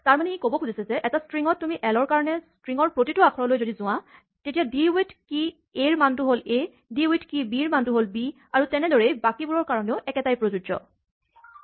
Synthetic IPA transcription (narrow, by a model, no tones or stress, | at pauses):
taɹmanɛikobɔkʰuzisɛzɛʔɛtastɹiŋɔtːumiʔɛlɔɹkaɹɔnɛstɹiŋɔɹpɹotitʊakʰɔɹɔlojzodizʊ̃w̃a | tetijadiujtʰki | eɹmantʊɦole | diujtkibiɹmantʊɦolbi | aɹutɛnɛdɔɹejbakibuɹɔɹkaɹɔneʊʔɛkɛtajpɹozud͡ʒɔ̰